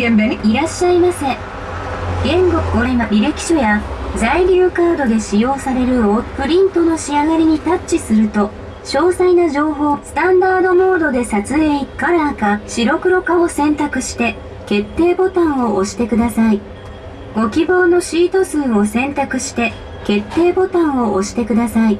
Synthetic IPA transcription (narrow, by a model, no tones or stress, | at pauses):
iɾaɕːaimasẽ | ɡẽ̞ŋɡokɯɡoɾemaɾʲiɾe̞kʲi̥ɕo̞jazaiɾʲɨːkaːd̪o̞d̪e̞ɕijo̞ːsaɾe̞ɾɯ̟opɯ̟ɾʲĩnt̪o̞no̞ɕiaɡaɾʲiɲ̟it̪at͡ɕt͡ɕisɨɾɯ̟t̪o̞ | ɕo̞ːsainaʑo̞ːɦo̞ːsɨ̥t̪ãnd̪aːd̪o̞mo̞ːd̪o̞d̪e̞sat͡sɨeːikaɾaːkaɕiɾo̞kɯ̟ɾo̞kaosẽ̞nt̪akɯ̟ɕi̥t̪e̞ | ke̞t̪ːe̞ːbo̞t̪ãɰ̃o̞ʔoɕi̥t̪e̞kɯd̪asai | ɡ̥o̞kʲibo̞ːno̞ɕiːt̪o̞sɨ̃ːo̞sẽ̞nt̪akɯ̟ɕi̥t̪e̞ | ke̞t̪ːe̞ːbot̪ãɰ̃o̞ʔoɕi̥t̪e̞kɯd̪asai